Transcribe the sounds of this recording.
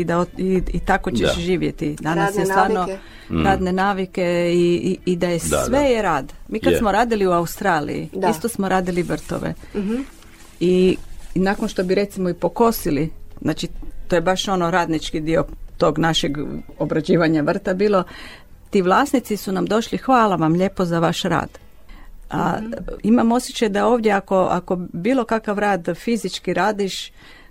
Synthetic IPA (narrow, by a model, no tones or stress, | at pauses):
id̪aoiit̪ako̞t͡ɕeʃʒiːʋjet̪id̪anajesaːɾno | ɾad̪nenaːʋike̞iːd̪ajesʋejeɾaːd̪miːkkad̪smoɾaːd̪iliuaust̪ɾaːlḭjḭist̪osmoɾaːd̪iliʋr̩t̪o̰ʋḛ | inakonʃt̪o̞biɾe̞t̪simoipo̞ko̞siliznaːt͡ʃit̪ojebaʃo̞noɾaːd̪nit͡ʃkid̪io̞t̪o̞ɡnaʃeɡobɾad͡ʑiːʋaɲaʋr̩t̪abiːlˠo̞ | t̪iːʋlˠaːsnit̪sisunamd̪o̞ʃlixʋaːlaʋamʎe̞ːpo̞zaʋaʃɾa̰ːd̪̥ | aimamo̞sjet͡ʃajd̪ao̞ːʋd̪je̞ako̞ʔa̰ko̞biːlo̞kakaʋɾaːd̪fizit͡ʃkiɾaːd̪iʃ